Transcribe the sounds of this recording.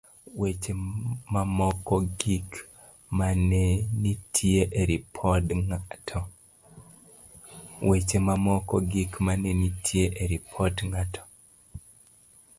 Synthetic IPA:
wet͡ʃemamɔkɔɡik | manenitʰieʔeɾipʰɔdŋtʰɔ | wet͡ʃemamɔkɔɡikmanenitʰieʔeɾipʰɔtŋatʰɔ̥

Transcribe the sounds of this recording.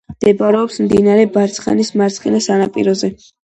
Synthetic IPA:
md̪̥ɛbaɾɛɔpsmd̪inaɾɛbaɾt̪sʰχa̰nismaɾt̪sʰχinasanapʼḭɾɔzɛ

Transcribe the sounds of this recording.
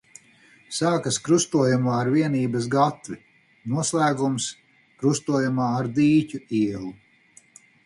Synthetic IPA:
saːkɐskɾust̪uɔjumaːɾviɛniːbɐs̬ɡat̪vi | nuɔslˠæːɡums | kɾust̪uɔjumaːaɾd̪iːcʲuiɛlˠu

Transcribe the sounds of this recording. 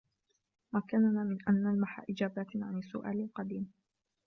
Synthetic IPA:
makːannaːmɪnʔanːalmaħa̰ʔɪd͡ʒaːbaːt̪ʕanɪsːʊ̰ʔa̰ːlɪlqɑd̪iːm

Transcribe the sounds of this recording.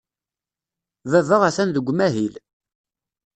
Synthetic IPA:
vævəʁæθænðəɡʷːmæɦil

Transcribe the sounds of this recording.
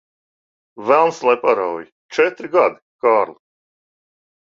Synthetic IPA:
vælˠnslˠajpaɾawji | t͡ʃɛt̪ɾiɡad̪i̥kaːɾlˠi

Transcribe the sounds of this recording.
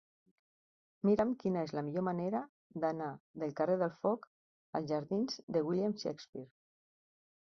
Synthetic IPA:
miɾəmkinəezləmiʎomaneɾə | d̪anaðəlˠkəreð̞əlˠfɔk | əlˠzʒaɾðinzd̪əwiliamʃɛ̰kspiɾ

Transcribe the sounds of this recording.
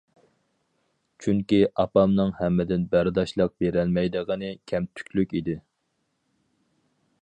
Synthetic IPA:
t͡ʃʰyŋkʲiʔɑpɑmnɨŋhɛmːɪd̪ɪnbæɾd̪ɑʃlˠəq̚beɾælmɛjd̪əʁənɨkʲʰɛmt̪ʰy̥kʲlykʲid̪ɪ

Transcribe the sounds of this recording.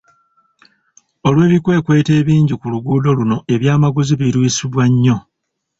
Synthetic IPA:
o̞lwe̞ːβikwe̞ːkwe̞ːte̞ːβiːɲɟikuluɡuːdo̞luno̞e̞βjaːmaɡuziβiɾwisiβwaɲːo̞

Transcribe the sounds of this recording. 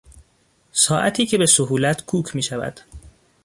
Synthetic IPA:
sɒːʔæt̪ʰiːcʰe̞be̞soɦuːlæt̪ʰkʰuːkʰmiːʃævæ̰d̪̥

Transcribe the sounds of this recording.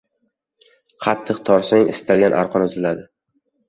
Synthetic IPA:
qʰɑt̪ʰːɨqt̪ʰɒɾsaŋɪst̪ʰalɡʲanʔa̰ɾqʰɒnʊzɪlad̪ɪ

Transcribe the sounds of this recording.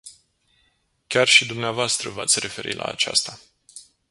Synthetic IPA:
kʲarʃid̪umneavoast̪ɾəvat̪sʲre̞fe̞ɾʔḭlʔa̰ːt͡ʃa̰st̪a

